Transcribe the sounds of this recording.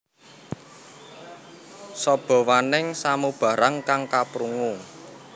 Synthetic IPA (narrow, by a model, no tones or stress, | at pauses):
sɔb̥ɔ̤wanɪŋsamub̥a̤ɾaŋkaŋkapɾuŋu